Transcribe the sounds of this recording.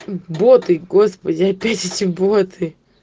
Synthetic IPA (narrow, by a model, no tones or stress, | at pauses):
bot̪ɨɡospədʲɪɐpʲætʲetʲɪbot̪ʰɨ